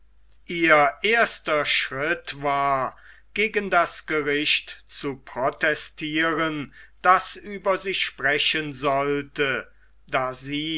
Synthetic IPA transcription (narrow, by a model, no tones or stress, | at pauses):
ʔiːɐʔeːɐstɐʃʁɪtvaːɐ | ɡ̥eːɡəndasɡ̥əʁɪɕtt͡supʁ̥ɔtɛstʰiːʁənd̥asyːbɐziːʃpʁ̥ɛɕənzɔltə | daːziː